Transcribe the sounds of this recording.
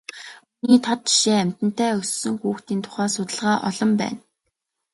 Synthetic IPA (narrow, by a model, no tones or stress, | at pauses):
uniːt̪ʰɔt̪i̥ʃiæm̥ʲt̪ɘ̆n̥t̪æːɵssːɵ̆ŋxuːxt̪iːnt̪ʰʊ̥χæːsʊt̪ə̆ɮʁaːʔɔ̰ɮɞ̆mpæ̰ːn